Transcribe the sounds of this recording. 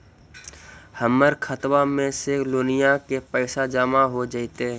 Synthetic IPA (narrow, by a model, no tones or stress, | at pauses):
həməɾkʰət̪wamẽseloːnɪjakepəɪʃad͡ʒaːmaɦod͡ʒait̪e